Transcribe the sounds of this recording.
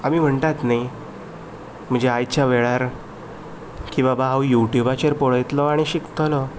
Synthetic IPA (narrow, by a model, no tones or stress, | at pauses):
amiːm̤əɳt̪at̪naj | m̤əɳd͡ʑeajt͡ɕjaʋeɭaɾ | kĩw̃ʋabaɦawjuʈjubat͡ɕeɾpoɭəjt̪lɔaɽ̃iɕikt̪ʰəlɔ